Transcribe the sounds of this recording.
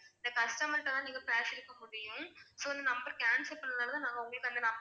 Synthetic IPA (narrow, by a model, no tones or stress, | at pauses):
ɪnd̪ɐkɐsʈɐmɐʈːɐ̃t̪ãːniːŋɡɐpɾaːsɪɾɯkːɐmʊɽɪjʊ̃soːɪnd̪ɐnɐmbɐɾkaːnsɐpːɐnnaːlɐt̪ãːnaːŋɡɐʊŋɡɐɭɯkːɯɐnd̪ɐlaː